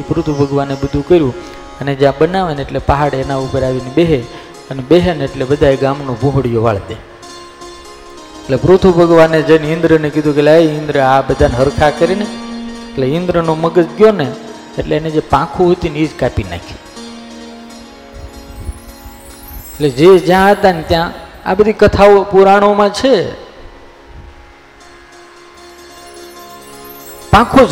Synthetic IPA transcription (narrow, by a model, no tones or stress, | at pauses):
ipɾut̪ʰubʱəɡʋanebəd̪ʱũkəɾjũ | əned͡ʒjãbənaʋeneʈlepaɦaɽeenaupəɾaʋinibeɦe | ənebeɦeneeʈlebəd̪ʱaeɡamnobʱũɦəɽjoʋaɭd̪e | eʈlepɾut̪ʰubʱəɡʋaned͡ʒənɪ̃nd̪ɾənekɪd̪ʱũkelaiɪ̃nd̪ɾəabəd̪ʱanɦəɾkʰakəɾineeʈleɪ̃nd̪ɾənoməɡəd͡ʒɡjone | eʈleaned͡ʒepãkʰuɦət̪inid͡ʒkapina̰kʰi̥ | eʈled͡ʒed͡ʒjãət̪ant̪jãa̰bəd̪ʱikət̪ʰaopuɾaɽ̃omãt͡ʃʰe | pãkʰo